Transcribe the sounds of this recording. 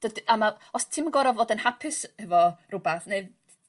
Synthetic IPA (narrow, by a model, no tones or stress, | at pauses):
d̥ədamaɔstʰiməɡɔɾɔvoːdənhapʰɨshɛvɔrʊbaθne